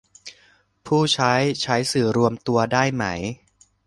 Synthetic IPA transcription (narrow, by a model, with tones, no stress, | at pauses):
pʰuː˥˩t͡ɕʰa˦˥jt͡ɕʰa˦˥jsɯː˨˩ɾu˧əmt̪u˧ɐdaː˥˩jma˦˥j